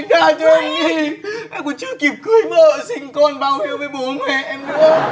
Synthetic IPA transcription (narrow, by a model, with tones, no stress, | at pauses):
ŋzaː˧˩t͡ɕɔ˧ʔa˧ŋi˧ʔɛ˧mku˨˩˦t͡ɕɨ˧˦ki˨˩əp̚kɨ˨˦ə˦jmə̰ː˧˨sï˧˩ŋ̟kɔ˧nɓaː˧˩whi˨˦əwvəː˨˦jɓo˨˦nmɛ˧˨ʔɛ˧mkɨ̰˧˨ə